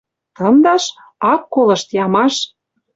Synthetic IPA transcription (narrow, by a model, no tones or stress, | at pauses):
t̪ɤnd̪ɑʃ | ɑkːolɤ̆ʃt̪jɑmɑʃ